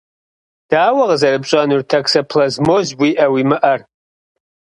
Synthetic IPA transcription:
d̥aːwaʁzɐrɨbt͡ʃʷʼanurtʰaksapʰlazmozbwiʔawimɨʔɐr

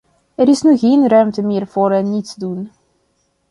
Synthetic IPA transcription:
ɛɾɪsnyɣeːnrœɥmtəmɪːrv̥oːɾɛnːitzdun

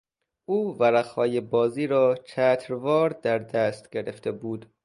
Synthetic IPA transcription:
ʔuːvæɾæχhɒːjebɒːziːɾɒːt͡ʃʰæːt̪ʰɾvɒːɾd̪æɾd̪æːst̪ɟ̥eɾeft̪ʰebuːd̪

